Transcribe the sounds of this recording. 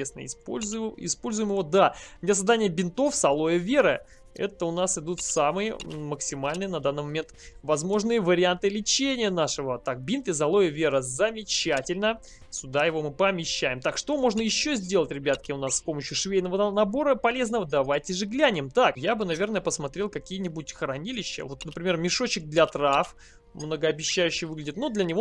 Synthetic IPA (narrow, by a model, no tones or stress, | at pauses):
esnə̰ɪ̰spo̰lʲzʊɪ̰spo̞lʲzʊjmɨvo̞d̪amnʲasɐzd̪anʲɪjəbʲɪnt̪o̞fsɐlˠo̞jəvʲe̞ɾɨ | ɛ̰t̪əʊnasɪd̪ut̪samɨjɪməksʲɪmalʲnɨjənɐd̪anːɨmɐmʲe̞nt̪vɐzmo̞ʐnɨjəvəɾʲɪant̪ɨlʲɪt͡ɕenʲɪjənaʂɨvət̪ak̚bʲint̪ɪs̬ɐlˠo̞jəvʲe̞ɾəzəmʲɪt͡ɕætʲɪlʲnə | sʲʊd̪ajɪvo̞mɨpəmʲɪɕːæjɪmt̪akʂt̪o̞mo̞ʐnəjɪɕːozʲdʲelˠətʲɾʲɪbʲat̪kʲɪʊnassʲpo̞məɕːʊʂvʲejʲnəvənɐbo̞ɾəpɐlʲe̞znəvəd̪ɐvajtʲɪʐɨɡlʲænʲɪmt̪akjabɨnɐvʲe̞rnəjəpəsmɐt̪ɾʲelˠkɐkʲijənʲɪbut̚ʲxɾɐnʲilʲɪɕːə̰vo̞t̪nəpɾʲɪmʲe̞rmʲɪʂo̞t͡ɕɪɡ̚d̪lʲɐt̪ɾaf | mnəɡəɐbʲɪɕːæjʉɕːɪjvɨɡlʲɪdʲɪt̪nud̪lʲənʲɪvo